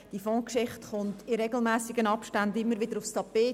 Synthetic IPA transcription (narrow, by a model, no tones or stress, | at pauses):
d̥ifɔ̃ːkʃɪχtχʊntɪɾɛɡl̩ˠmɛːsɪɡənɑpʃtandɪmːəɾʋɪdəɾʊfstʰɑpeː